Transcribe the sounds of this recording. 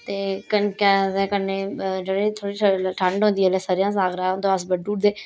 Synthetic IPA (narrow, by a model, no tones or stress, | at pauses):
t̪eːkənkɛːd̪ɛ̃ːkənːeːd͡ʒeɽeːt̪ʰoːɽiːʈʰʈʰəɳɖɦõːnd̪iːɛleːsəːɾijãːsaːɡɾaːʊnd̪õas̬bəɖuːʈd̪eː